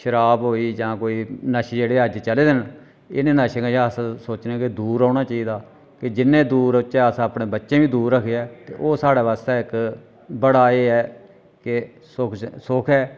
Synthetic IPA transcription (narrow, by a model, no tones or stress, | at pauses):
ʃəɾaːbɦoːiːd͡ʒãːkoːiːnəʃid͡ʒeːɽeːəd͡ʒt͡ʃəleːd̪ɪn | ɪnẽːnəʃẽkəəsãsoːt͡ʃneːkɪd̪uːɾaːnaːt͡ʃaːiːd̪aː | kɪd͡ʒɪnːẽːd̪uːɾʊt͡ʃːẽːasãːəpɳẽːbətːʃẽːʋiːd̪uːɾːəkʰeɛːt̪ḛːʔoːsaːɽaːʋaːst̪ɛːɪk | bəɽaːeːɛː | kɪ | sʊkʰsʊkʰɛː